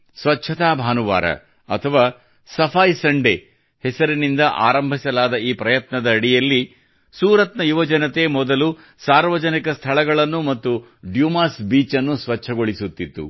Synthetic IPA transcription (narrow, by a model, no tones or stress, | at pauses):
sʋɐtːʃʰɐt̪aːbʱaːnuʋa̰ːɾɐ̰ | ɐ̰t̪ʰɐʋaː | sɐpʰaːjsɐɳɖe | hɛsɐɾinind̪ɐʔa̰ːɾɐmbʱisɐlaːd̪ɐiːpɾɐjɐt̪nɐd̪ɐːɽijɐlːi | suːɾɐt̪nɐjuʋɐd͡ʒɐnɐt̪e̞ːmɔd̪ɐlu | saːɾʋɐd͡ʒɐnikɐst̪ʰɐɭɐɡɐɭɐnːumɐt̪ːu | ɖjuːmaːsbiːt͡ʃɐnːusʋɐt͡ʃːʰɐɡo̞ɭisut̪ːit̪ːṵ